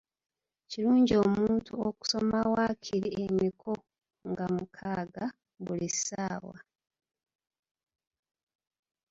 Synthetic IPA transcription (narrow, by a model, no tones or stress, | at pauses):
ciɾuːɲɟio̞ːmuːntuoku̥so̞mawaːcʰiɾiʔemikʰo | ŋɡamukʰaːɡa | βulisaːwa̰